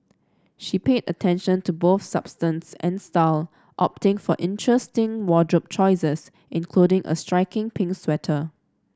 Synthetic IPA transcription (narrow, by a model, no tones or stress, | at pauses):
ʃipedə̰tʰɛ̃nʃə̃ntuboθsab̥stə̃nsɛ̰̃nstaɪl | ʔɔ̰p̚tɪ̃ŋfɔʔɪ̃ntʰɹɛstɪ̃ŋwɔdɹup̚t͡ʃʰɔɪsəs | ʔɪ̃nkʰludɪ̃ŋʔə̰stɹaɪkɪ̃ŋpʰɪ̃ŋkswɛtʰə